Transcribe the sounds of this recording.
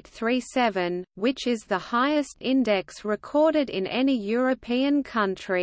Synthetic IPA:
tθɹisɛvə̃nwɪt͡ʃɪzðəhaɪəstɪ̃ndɛksɹɪkʰɔːɾɪɾɪ̰̃nɛnijɔɹəpʰĩə̃nkʰʌ̃nt͡ʃɹ̥i

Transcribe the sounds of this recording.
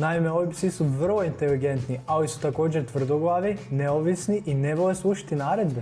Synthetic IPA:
naimeoʋipsisuʋr̩lˠoint̪eliɡent̪nialisu̥t̪ako̞ːd͡ʑeɾt̪ʋr̩d̪oɡlˠaːʋineoʋisniʔineʋoleslˠuʃḁt̪inaːɾed̪be

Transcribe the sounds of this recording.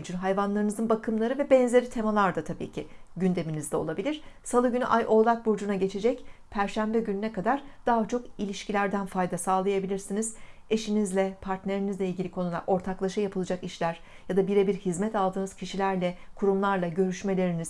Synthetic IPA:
d͡ʒynɦajvanlˠaɾɯnɯzɯnbakʰɯmlˠaɾɯvɛbɛnzʲe̞ɾit̪ʰe̞malˠaɾd̪at̪ʰabḭːcʰiɟynd̪e̞minizd̪ʲɛo̞lˠabilʲiɾ̥salˠɯɟynyʔajʔo̞lˠak̚buɾd͡ʒunaɟe̞t͡ʃʰe̞d͡ʒɛcpʰæɾʃæmbɛɟynynɛkad̪aɾd̪̥aːɦat͡ʃʰo̞kilʲiʃcʰilʲæɾd̪ænfajd̪asaːlˠajabilʲiɾsinizeʃinizlʲɛpʰaɾt̪ne̞ɾinizlʲɛilʲɟʲilʲikʰo̞nulˠa̰ɾʔo̞ɾt̪ʰaklˠaʃɯjapʰɯlˠɯd͡ʒakiʃlʲæɾ | jad̪abiɾebiɾhizmɛt̪alˠd̪ɯːnɯz̥cʰiʃilʲæɾlʲɛkʰuɾumlˠaɾlˠaɟø̞ɾyʃme̞lʲe̞ɾiniz̥

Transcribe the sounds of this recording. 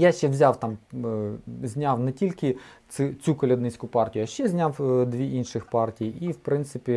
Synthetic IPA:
jaʃt͡ʃɛwzʲawt̪ɑm | zʲnʲawnɛtʲilʲkɪ | ɪt͡sʲukɔlʲɐd̪nɪt͡sʲkʊpɑrtʲijʊɐʃt͡ʃɛzʲnʲawd̪ʋʲiʔinʃɪxpɑrtʲijiʔiwpɾɪnt̪sɪpʲi

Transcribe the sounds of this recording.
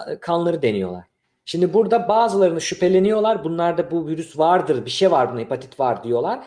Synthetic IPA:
kʰanlˠaɾɯd̪e̞nijo̞̰lˠa̰ɾ̥ | ʃimd̪ibuɾd̪abaːzɯlˠaɾɯnɯʃypʰe̞lʲe̞nijo̞lˠaɾbunlˠaɾd̪abuviɾysvaɾd̪ɯɾbiʃejvaɾbunaipʰat̪ʰi̥t̪vaɾd̪ijo̞lˠaɾ̥

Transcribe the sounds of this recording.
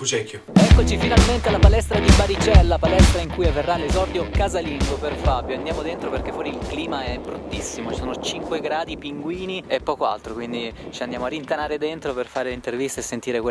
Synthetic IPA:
fut͡ʃɛkːjoɛkːot͡ʃifinalment̪elapalɛst̪ɾad̪ibaɾit͡ʃɛlːapalɛst̪ɾaiŋkujavːerːalezɔrd̪jokazaliŋɡoperfabjoand̪jaːmod̪ent̪ɾoperkefwɔːɾiːlkliːmaɛbɾut̪ːisːimot͡ʃi̥soːnot͡ʃiŋkweɡɾaːd̪ipiŋɡwiːniepːɔːkoa̰lt̪ɾokwind̪it͡ʃiand̪jaːmoarint̪anaːɾed̪ent̪ɾoperfaːɾelint̪ervist̪aesːent̪iːɾekwe

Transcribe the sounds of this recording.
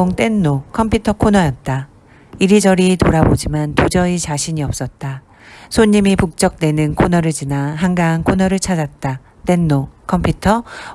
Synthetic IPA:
oŋt͈e̞nːokʰʌmpʰjutʰʌkʰonʌjʌt̚t͈a | iɾid͡ʑʌɾitoɾabod͡ʑimantud͡ʑʌit͡ɕaɕʰiɲiʌp̚s͈ʌt̚t͈a | sʰoɲːimipuk̚t͡ɕ͈ʌk̚twe̞nɯnkʰonʌɾɯɭd͡ʑinaɦaŋɡaːnkʰonʌɾɯɭt͡ɕʰad͡ʑat̚t͈a | t͈e̞nːokʰʌmpʰjutʰʌ

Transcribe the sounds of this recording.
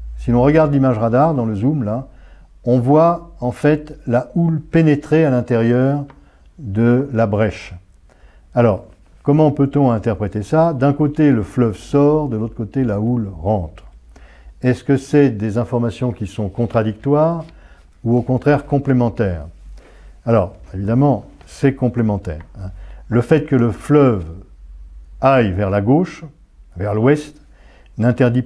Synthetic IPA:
silɔ̃ʁəɡaʁd̪limaʒʁad̪aʁd̪ɑ̃ləzumla | ɔ̃vwaɑ̃fɛt̪laʔulpenet̪χealɛ̃t̪eʁjœʁ | d̪əlabʁɛʃ | alɔːʁ | kɔmɑ̃pøt̪ɔ̃ɛ̃t̪ɛʁpχet̪esad̪ɛ̃kot̪eləflœvsɔʁd̪əlot̪χə̥kot̪elaulʁɑ̃t̪χ | ɛskəsɛd̪ezɛ̃fɔʁmasjɔ̃kʲisɔ̃kɔ̃t̪χad̪ik̚t̪waːʁ | uokɔ̃t̪χɛʁkɔ̃plemɑ̃t̪ɛːʁ | alɔːʁevid̪amɑ̃ | sɛkɔ̃plemɑ̃t̪ɛ̰ːʁɛ̃ləfɛt̪̚kələflœv | ajvɛʁlaɡoʃ | vɛʁlwɛst̪ | nɛ̃t̪ɛʁd̪i

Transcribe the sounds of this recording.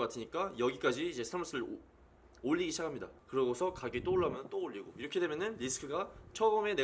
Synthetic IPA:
k͈atʰɯɲik͈ajʌɡik͈ad͡ʑiːd͡ʑe̞sʰamʌs͈ʰɯɾɯɭ | oʎːiɡiɕʰakʰamɲida̰kɯɾʌɡosʰʌkaɡit͈ooɭːamjʌnɯnt͈ooʎːiɡo̰iɾʌkʰe̞de̞mjʌnɯnɾisʰɯ̥kʰɯɡat͡ɕʰʌʌme̞ne

